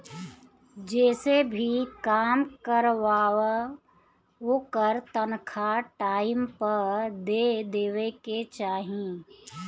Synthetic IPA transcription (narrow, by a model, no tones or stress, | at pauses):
d͡ʒɛːsebʱikaːmkəɾʋaːw | ɦoːkəɾt̪ənkʰaʈaːɪmpəɾd̪ed̪eːʋeket͡ʃaːɦĩ